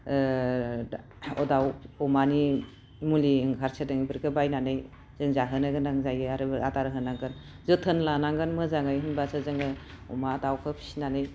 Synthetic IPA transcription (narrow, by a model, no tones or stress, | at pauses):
ɔdawɔmani | muliɯŋkʰaɾsʰɯdɯŋibɯɾkʰɯbajnanɯj | z̥ɯŋzaɦɯnɯɡɯnaŋzajɯjaɾɯbataɾɦɯnaŋɡɯn | zɯtʰɯnlanaŋɡɯnmɯzaŋajɦɯnbasʰɯzɯŋɯ | ɔmadawkʰɯpʰi̥sinanɯj